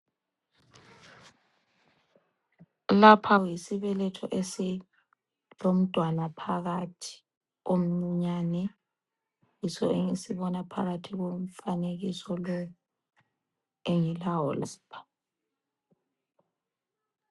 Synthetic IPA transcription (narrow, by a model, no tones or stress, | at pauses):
lapʰajisiβɛlɛtʰɔʔesi | lom̩d̥ʱwanapʰaɣatʰi̥ | om̩ŋ͡ǀuɲanɛ | jisɔeŋisiβɔnapʰa̰ɣatʰiɣom̩faneɣisɔlɔ | eŋilaɔlsbḁ